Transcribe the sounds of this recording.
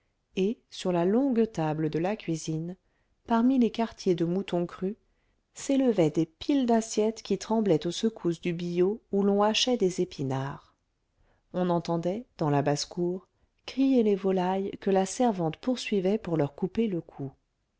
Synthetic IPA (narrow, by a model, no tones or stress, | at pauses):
esyʁlalɔ̃ɡt̪abləd̪əlakʲɥizin | paʁmilekaʁt̪jed̪əmut̪ɔ̃kχy | seləvɛd̪epild̪asjɛt̪kʲit̪χɑ̃blɛt̪osəkʰusd̪ybijoulɔ̃aʃɛd̪ezepinaːʁ | ɔ̃nɑ̃t̪ɑ̃d̪ɛd̪̥ɑ̃labaskuːʁ | kχijelevɔlajkəlasɛʁvɑ̃t̪puʁsɥivɛpuʁlœʁkupeləkʰu